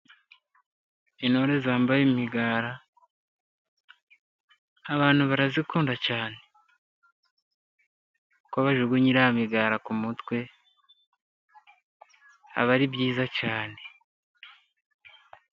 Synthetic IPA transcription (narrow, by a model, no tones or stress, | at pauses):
ino̞ɾezaːmbajemiɡaːɾa | aβaːn̥huβaɾazikuːndacaːne̞ | koβaʒuɡuɲiɾaamiɡaːɾakumutwe̞ | a̰βaɾibjiːzacaːne̞